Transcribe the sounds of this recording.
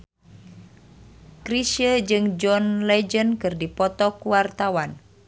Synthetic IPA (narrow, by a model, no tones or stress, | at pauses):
kɾisəd͡ʒɨŋd͡ʒɔnlɛd͡ʒənkɨrdipɔt̪ɔkuwart̪awan